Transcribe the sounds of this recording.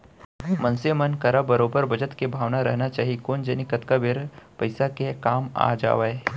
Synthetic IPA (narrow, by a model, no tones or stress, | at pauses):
mɐ̃nsemənkɐɾabɐɾoːbəɾbɐd͡ʒət̪kebʱaːʋnaɾɐ̰ɦnat͡ʃaːɦikoːnd͡ʒənikət̪kabeɾpɐɪsakekaːma̰ːd͡ʒa̰ːʋaːe